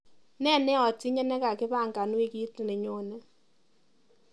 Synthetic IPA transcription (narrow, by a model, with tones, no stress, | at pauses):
nɛ˦˨nɛ˦ɔ˨ti˦ɲɛ˦nɛ˦ka˨kɪ˦pa˦˨ŋɡa˨nwi˦ki˦tne˨ɲo˨˦nɛ˦